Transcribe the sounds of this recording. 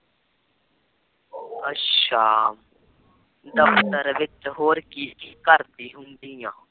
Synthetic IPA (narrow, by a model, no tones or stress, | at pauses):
əaːm | d̪əft̪əɾʋɪt͡ʃɦoːɾkiːkikəɾt̪iːɦʊ̃nd̪ijãː